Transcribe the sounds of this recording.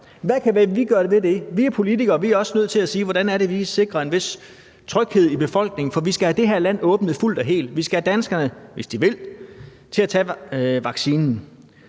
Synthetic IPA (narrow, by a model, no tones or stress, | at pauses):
ʋækʰæʋæʋiɡ̥ɶːɐɾ̥e̝ʋe̝de̝ʋiæɐpʰo̝lit͡sʰiɡ̥ɐːʋiæɐɒ̽sənøð̰ˠt͡sʰe̝læsiːʋɒɾ̥ænæɐɾe̝ʋise̝ɡ̥ʁɐe̝nʋe̝s | t͡sʰʁœɡ̥he̝ð̞̰ˠib̥e̝fɒ̽l̰ɡ̥ne̝ŋ̩fɒ̽ʋisɡ̥æhæd̥e̝ɦeɐlæn̰ɔ̽ːb̥nəð̩ˠful̰d̥ɒɦe̝̰ːld̥ʋisɡ̥æhæd̥ænsɡ̥ɐnəʋe̝sd̥iʋe̝l̰ | t͡sʰe̝læt͡sʰɛːʋɑ̈ɡ̥siːnn̩